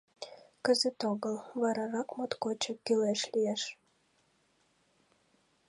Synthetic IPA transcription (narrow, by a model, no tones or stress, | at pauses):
kəzət̪oɣəlβɑɾɑɾɑkmot̪kot͡ɕəkːyleʃlijeʃ